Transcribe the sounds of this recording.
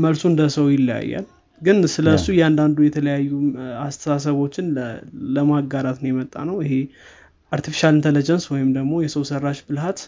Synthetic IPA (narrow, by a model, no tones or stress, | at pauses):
məlsuɨnd̪əsəwjɪlːja̰jːa̰l | ɡɨnsɨləsujɛand̪and̪ujɛt̪ʰələjajːuast̪ʰəsasəβo̞t͡ʃːɪnləmaɡːaɾat̪nəwjɛmət̪ʼːa̰nəwɪɦe | ʔaɾt̪ʰifi̥ʃalɨnt̪ʰələd͡ʒənswɔjɪmd̪əɡmo̞jɛsəwsərːaʃbɨlhat̪